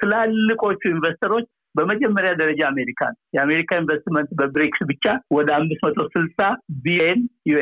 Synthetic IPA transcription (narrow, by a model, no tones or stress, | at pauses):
t̪ʰɨlalːɨkʼo̞t͡ʃːuinvəst̪ʰəɾo̞t͡ʃː | bəməd͡ʒɛmːəɾjad̪əɾəd͡ʒaːme̞ɾikʰa̰njɛame̞ɾikʰainvəst̪mənt̪bəbɾiksbɨt͡ʃːawɔd̪əamːɨsmət̪ʰo̞sɨlsʼabijnjue